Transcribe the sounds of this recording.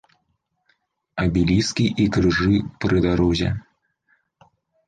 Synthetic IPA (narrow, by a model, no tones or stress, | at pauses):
ɐbʲilʲiskʲiʔikɾɨʐɨpɾɨd̪aɾɔzʲɛ̰